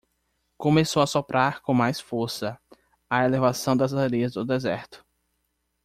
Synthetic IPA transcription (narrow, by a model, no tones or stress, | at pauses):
kõmesowɐsopɾʔaɾkõmajsfoɾsɐ | ɐelevasɐ̃w̃d̪ɐzaɾiɐzd̪ʊd̪ezɛɾt̪ʊ̥